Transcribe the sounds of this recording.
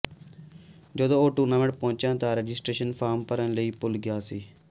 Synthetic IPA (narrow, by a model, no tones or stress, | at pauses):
d͡ʒəd̪õːoːʈuːnaːməɽpõːt͡ʃãːt̪ãːɾed͡ʒɪsʈɾeːʃənpʰaːɾmpəɾənləiːpʊlɡɪjaːsiː